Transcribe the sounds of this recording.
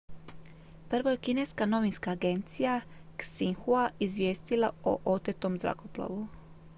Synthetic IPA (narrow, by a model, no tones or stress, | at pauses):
pr̩ʋoje̞kineskano̞ʋinskaːɡe̞nt̪sijaksiŋxuaizʋʲjeːst̪ilao̰ʔot̪et̪omzɾa̰koplˠa̰ʋu